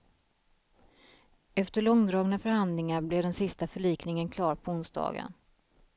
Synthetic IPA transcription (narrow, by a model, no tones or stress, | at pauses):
ɛft̪əɭɔŋd̪ɾɑːɡnafœɾhand̪lɪŋaɾblɛd̪ɛnsɪst̪afœɭiːknɪŋənkʰlɑːɾpʰɔʊnsd̪ɑ̰ːɡə̰n